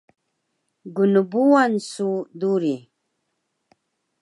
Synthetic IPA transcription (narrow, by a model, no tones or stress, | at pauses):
ɡunubuwansuduɾi